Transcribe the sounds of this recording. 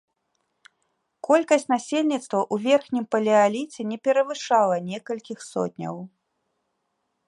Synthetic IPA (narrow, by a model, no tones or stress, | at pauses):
kɔlʲkɐsʲt͡sʲnasʲelʲnʲit̪st̪vɐʔuvʲɛrxnʲimpɐlʲialʲit͡sʲɛnʲɛpʲɛɾɐvɨʂalˠɐnʲɛkɐlʲkʲixsɔ̰t̪ʲnʲɐ̰w